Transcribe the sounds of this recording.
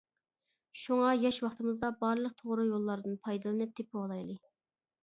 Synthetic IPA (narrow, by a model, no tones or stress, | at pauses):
ʃuŋɑjɑʃwɑχt̪ɨmɨzd̪ɑbɑɾlˠəq̚t̪ʰoʁɾɨjolˠːɑɾd̪ɨnpʰɑjd̪ɨlˠɨnɨp̚t̪ʰepʰɪwɑlˠɑjlˠɨ